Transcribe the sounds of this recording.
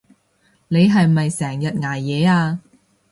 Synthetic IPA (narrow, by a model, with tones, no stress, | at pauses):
ne˨˧jɦɐ˨jmɐ˨jsɛː˨˩ŋjɐ˨t̚ŋaː˨˩jːɛː˨˧aː˧